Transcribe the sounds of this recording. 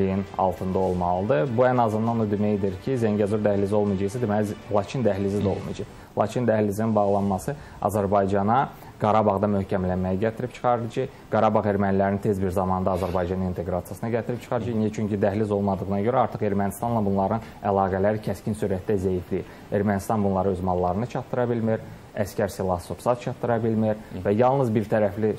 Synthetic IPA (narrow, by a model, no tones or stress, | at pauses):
ijinɑ̰lˠt̪ʰɯnd̪ɑo̞lˠmɑlˠɯd̪ɯbuænɑzɯnd̪ɑnod̪ymejd̪iɾcʰizæɲɟæzuɾd̪æhlizo̞lˠmɑjd͡ʒɯʁisæd̪emælilˠɑt͡ʃʰind̪æɦlizid̪æo̞lˠmḭjd͡ʒɯχ | lˠɑ̰t͡ʃʰind̪æhlisininbɑʁlˠɑnmɑsɯ | ɑ̰zæɾbɑjd͡ʒɑnɑ | ɡɑɾɑbɑʁd̪ɑmøhcʰæmlænmæjæɟæt̪ʰiɾipt͡ʃʰɯ̥χɑɾɯlˠɯd͡ʒɑ | ɡ̥ɑɾɑbɑʁe̞ɾmænilæɾnint̪ʰe̞zbiɾzɑmɑnd̪ɑːzæɾbɑjd͡ʒɑnɯnint̪ʰe̞ɡɾɑt̪ijɑsɯnɯɟæt̪ʰiɾipt͡ʃʰɯ̥χɑɾɯd͡ʒenijæt͡ʃʰyɲcid̪æɦlizo̞lˠmɑd̪ɯɣɯnɑɟøɾæɑɾt̪ʰɯχe̞ɾmænist̪ɑnlˠɑbunlˠɑɾɯnælˠɑːɡælæɾicʰæscinsuːɾæt̪d̪æzæjifli | e̞ɾmænist̪ɑnbunlˠɑɾɯøzmɑlˠːɑɾɯnɯt͡ʃʰɑt̪ːɯɾɑbilmiɾ | æscæɾsilˠɑsopsɑt̪̚t͡ʃʰɑt̪ːɯɾɑbilmiɾvæjɑlˠnɯzbiɾt̪ʰæɾæfli